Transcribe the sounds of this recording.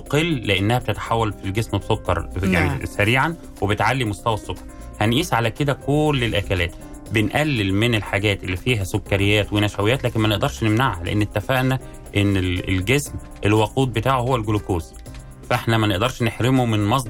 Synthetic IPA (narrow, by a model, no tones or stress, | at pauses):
qelːeʔenːæhæb̚t̪et̪ḁħawːælfilɡesmbsokːɑ̰ɾˤjanisæɾiːʕan | webet̪ʕalːimost̪æwæsːokːɑ̥ɾˤhænʔiːsʕalæked̪ækolːelʔækælæːt̪ | benʔælːelmenelħaɡæːt̪ʔelːifiːɦæsokːɑɾejːæːt̪wenæʃæwejæːt̪læːkenmæneʔd̪ɑɾˤʃnemnaʕhælḛʔḛnːet̪ːæfæʔnæ | ʔenːeelɡesm | ʔelwɑquːd̪̚bet̪aːʕhowːælɡolokoːs | fʔeħnæmæneʔd̪ɑɾˤʃneħɾemomenmɑs̬ˤd̪